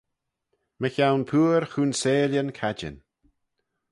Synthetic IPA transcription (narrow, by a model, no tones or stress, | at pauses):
məçawnpʰuːɾxuːnseːljənkʰad͡ʒə̰n